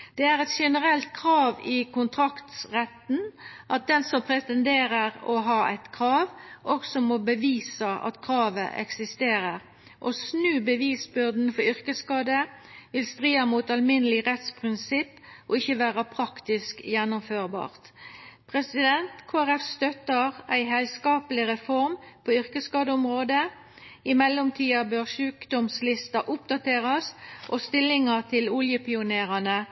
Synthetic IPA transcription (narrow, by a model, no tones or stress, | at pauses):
d̪̥ɛæɾɛt̪ʂɛnəʁɛlt̪̚kʰɾɑːʋɪkʰʊnt̪ʰɾɑkt̪sʁɛt̪n̩ʔɑt̪̚d̪ɛnsɔmpʰɾɛt̪ɛnd̪eːɾəʁɔɦɑːʔæ̰ɪt̪kʰɾɑːʋʔɔksɔmɔbəʋiːsɑʔɑ̰t̪kʰɾɑːʋə̰ʔɛ̰ksɪst̪eːɾəʁ | ʔɔsnʉːbəʋiːsbʏʁd̪n̩fɔɾʏʁkəskɑːd̪ə | ʋɪlst̪ɾiːəmuːt̪ɑlmɪnːəlɪʁɛt̪spʰʁɪnsɪpːʔoɪçəʋæːʁəpʰʁɑkt̪ɪskjɛnːʊmføːʁbɑ̰ːʁt̪pʰʁɛsɪd̪ɛnt̪kʰoːæʁɛfst̪œt̪əʁæɪɦɛlskɑːpəlɪʁɛfɔʁmpʰoːʏʁkəskɑːd̪əʊmʁoːd̪ə | ɪmɛlːɔmt̪ʰiːɑbøːʁʃʉːkd̪ɔmslɪst̪ɑʔʊp̚d̪ɑt̪ʰeːʁɑsʔost̪ɪlːɪŋət̪ʰɪlʊljəpɪʊneːʁɑnə